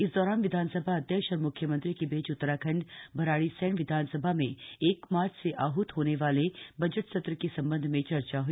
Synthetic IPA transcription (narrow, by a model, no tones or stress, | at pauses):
ɪsd̪ɔːɾaːnʋɪd̪ʱaːnsəbʱaɐd̪jəkʃɔːɾmʊkʰjəmə̃nt̪ɾikebeːt͡ʃʊt̪ːəɾakʰɐ̃ɳɖbʱɐɾaːɽisɛːɳʋɪd̪ʱaːnsəbʱamẽeːkmaːɾt͡ʃʰseʔaːɦʊt̪ɦoːneʋaːlebɐd͡ʒəʈsɐt̪ɾəkesɐ̃mbə̃nd̪ʱmẽt͡ʃɐɾt͡ʃaɦui